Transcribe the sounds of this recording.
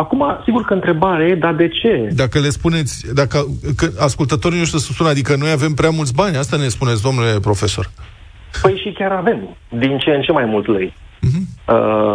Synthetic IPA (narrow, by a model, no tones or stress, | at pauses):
akumasiɡurkəɨnt̪ɾe̞baɾed̪ad̪e̞t͡ʃe̞d̪akəle̞spune̞t̪sʲd̪akəkɨaskult̪ət̪o̞ɾino̞ʃ̬t̪ɾisəspunad̪ikəno̞jave̞mpɾeamult̪sbanʲast̪anespunet̪sʲd̪o̞mnule̞pɾo̞fe̞so̞̰r | pəjʃikʲaɾave̞md̪int͡ʃent͡ʃe̞majmult̪ləj | m̩ɦm̩ə